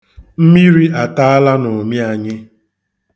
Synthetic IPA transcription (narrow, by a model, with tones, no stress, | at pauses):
m̩˦mi˦ɾi˦a˨ta˦a˦la˦no˨mi˦a˨ɲɪ˦